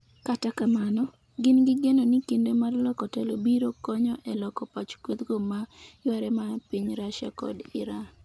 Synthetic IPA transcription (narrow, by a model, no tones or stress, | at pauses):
katakamanɔ | ɡɪnɡɪɡenonikindemarlɔkɔtɛlobiɾokɔɲɔʔɛlɔkɔpat͡ʃkot̪ɡomajwaɾɛmapiɲɾaʃa̰kɔ̰dɪɾa